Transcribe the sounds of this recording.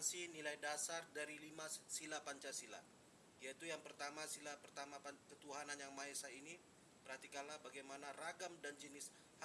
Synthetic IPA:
nsinilajdasardaɾilimasilapaɲt͡ʃasila̰ | ijait̪ujaŋpərt̪amasilapərt̪amapakət̪uɦananjaŋmaɛsaini | b̥ərhat̪ikanlahbaɡajmanaraɡamdand͡ʒənɪs | h

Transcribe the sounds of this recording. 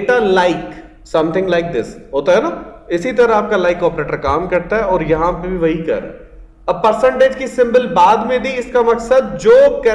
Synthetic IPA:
ʈalaɪk | sɐ̃mt̪ʰɪ̃ŋɡlaɪk̚d̪ɪsɦoːt̪aɦɛnaː | ɪsit̪ɐɾaaːp̚kalaːɪkɔːpɾeːʈəɾkaːmkɐɾt̪aɦɛɔːɾjɐɦãpebʱiʋɐɦikɐ̰ɾḛ̃ː | ɐb̚pɐɾsə̃ɳʈeːd͡ʒkisɪ̃mbəlbaːd̪mẽd̪ʱiɪskamɐksəd̪̚d͡ʒoːkɛː

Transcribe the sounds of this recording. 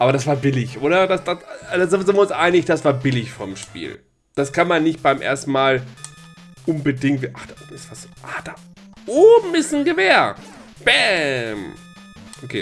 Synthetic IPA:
ʔaːbɐɾasv̥aːɐbɪlɪçʔoːɾɐdasd̥aszɪnzɪnviɪʊnsʔaɪnɪçd̥asv̥aːɐbɪlɪçfɔ̰ɐmʃpḭːl | d̥askʰanmanːɪçt̚b̥aɪmʔḛːɐstn̩maːl | ʔʊnbədɪŋtviʔaχd̥aːʔoːbm̩d̥asaːɐzoʔaːd̥aːʔoːbm̩ɪstnɡəveːɐ | b̥ɛm | ʔokʰeː

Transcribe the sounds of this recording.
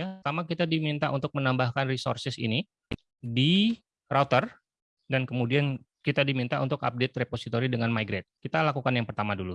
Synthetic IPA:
jaamakit̪adimint̪aʔunt̪ʊk̚mənambahkanriso̰rsɪsḭni | di | rawt̪ər | dankəmudiankit̪adimint̪aunt̪ʊka̰p̚det̪̚reposit̪oɾidəŋanmaiɡɾet̪̚kit̪alakukanjaŋpərt̪amadulu

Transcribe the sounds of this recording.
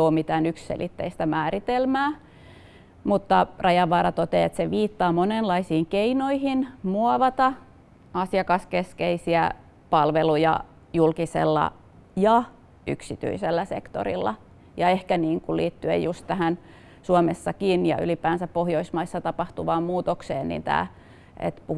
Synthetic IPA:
oːmit̪æːnykssḛlʔit̪ːḛist̪æmæːrit̪elmæː | mut̪ːɑrʔɑjɑʋːɑːɾɑt̪ot̪ḛet̪seʋiːt̪ːɑːmonenlɑisiːŋkeinoihinmuɑʋɑt̪ɑ | ɑsiɑkɑskeskeisiæ | pɑlʋelujɑ̰ | julkisḛlːɑ̰ | jɑ | y̰ksit̪y̰iselːæsḛkt̪o̰ɾḭlːɑ̰ | jɑehkæniːŋkulḭːt̪ːyḛjjust̪t̪æhæn | suomesːɑkinjɑ̰y̰lipæːnsæppohjoismɑisːɑt̪ɑpɑht̪uʋɑːmmuːt̪oksḛːnnḭnt̪æ̰ː | ḛt̪pu

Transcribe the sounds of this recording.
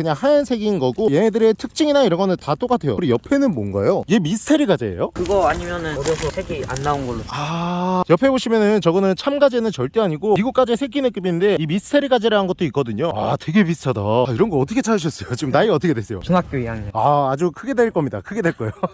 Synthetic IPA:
kɯɲaŋhajʌnsʰe̞ɡinɡʌɡojenedɯɾe̞tʰɯk̚t͡ɕ͈iŋinaiɾʌnɡʌnɯntat͈ok͈atʰe̞jo̰kɾijʌpʰe̞nɯnmʌnɡa̰joie̞mistʰe̞ɾiɡad͡ʑeḛjokɯɡʌaɲimjʌnɯnɾjʌsʰʌsʰeɡia̰nːaounɡʌɭːoajʌpʰe̞boɕʰimjʌnɯnt͡ɕʌɡʌnɯnt͡ɕʰamɡad͡ʑenɯnt͡ɕʌɭt͈eaɲiɡoiɡuk͈ad͡ʑesʰeɡinɯk͈jubinnde̞imistʰe̞ɾiɡad͡ʑeɾaɦanɡʌt̚t͈oik͈ʌdɯɲoatwe̞ɡe̞bistʰʌdʌiɾʌnɡʌʌt͈ʰʌkʰet͡ɕʰajɯɕ̬ʰʌs͈ʌjot͡ɕiɯmnaiʌt͈ʰʌkʰedwes͈ejo̰t͡ɕunɦak̚p͈joijaŋiaːd͡ʑukʰɯɡe̞dwe̞ɭk͈ʌmɲida̰kʰɯɡe̞dwe̞ɭk͈ʌjo

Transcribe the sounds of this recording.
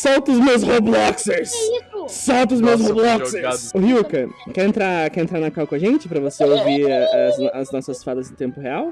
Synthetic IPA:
sawt̪ʊzmewzhoblɔkseɾssawt̪ʊzmews̬hoblɔkseɾasʊhiukɐkɛɾẽnt̪ɾaɾkɛɾẽnt̪ɾaɾnɐkawkõɐʒẽnt͡ʃɪpɾɐvoseowviɾaɐzɐznɔsɐzsfad̪ɐzd̪ʊt̪ẽmpʊheaw

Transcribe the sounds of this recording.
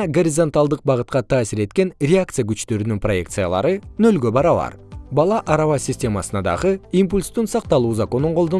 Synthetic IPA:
ɡo̞ɾʲizont̪alˠd̪əq̚bɑʁət̪̚qɑt̪ʰɑːsiɾe̞t̪kʲe̞nrʲeakt̪sɨjakyt͡ʃt̪ø̞ɾynyŋpro̞je̞kt̪sɨjalˠɑ̰ɾɯnø̞lɡʲø̞bɑɾɑβɑ̰ɾbɑlˠɑʔɑɾɑwɑsʲɪsʲtʲe̞mɑsənɑd̪ɑ̰ʁəimpulʲst̪unsɑq̚t̪ɑlˠuːzako̞nuɴqʰolˠd̪o

